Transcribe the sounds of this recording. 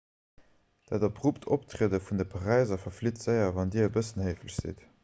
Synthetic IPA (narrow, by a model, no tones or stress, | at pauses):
d̥aːdɑpʁuptʰoptʁiədəfundəpʰəʁæɪzɐfɐflitz̥əɪɐvɑndiːɐəbəsənhɜɪfləɕz̥ḭt